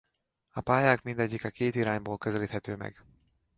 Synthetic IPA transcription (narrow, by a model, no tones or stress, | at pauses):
ɒpaːjaːkmind̪ɛɟːikɒkeːt̪iɾaːɲboːlkøzɛliːt̪hɛt̪øːmɛ̰ɡ